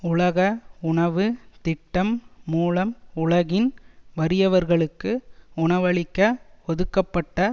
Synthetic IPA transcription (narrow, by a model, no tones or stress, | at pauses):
ʊɭɐɣɐʊɳɐʋɯt̪ɪʈːɐmːuːlɐmʊɭɐɣɪnʋɐɾɪjɐʋɐɾɣɐɭɯkːɯʊɳɐʋɐɭɪkːɐɔðɯkːɐpːɐʈːɐ